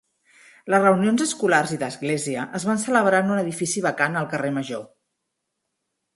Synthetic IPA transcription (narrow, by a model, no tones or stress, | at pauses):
ləzrəunionzəskularziðəzɣleziəʔəzβansələβ̞ɾanunəðifisiβəkanəlˠkəreməʒo